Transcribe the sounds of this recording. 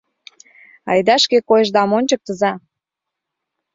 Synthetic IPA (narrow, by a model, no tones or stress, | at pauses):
ɑ̰jd̪ɑʃkekojəʒd̪ɑmonʲt͡ɕək̚t̪əzɑ